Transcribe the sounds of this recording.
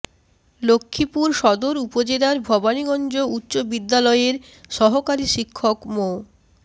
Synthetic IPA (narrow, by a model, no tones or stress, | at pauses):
lokʰːipuɾʃɔd̪oɾupod͡ʑelaɾbʱɔbaniɡɔnd͡ʑoutːɕobid̪ːalɔeɾ | ʃɔɦokaɾiʃikʰːokmo